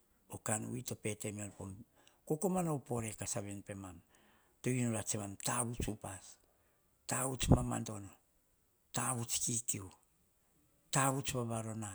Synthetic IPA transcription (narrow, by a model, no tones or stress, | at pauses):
okanṵito̞pe̞te̞mionpo̞m | ko̞ko̞manawpo̞ɾe̞kasaβenpe̞mam | toinolat͡ʃemamtaβut͡ʃupas | taut͡ʃmama̰ndo̞no | taβut͡ʃkikiu | taβut͡ʃbaβaɾo̞na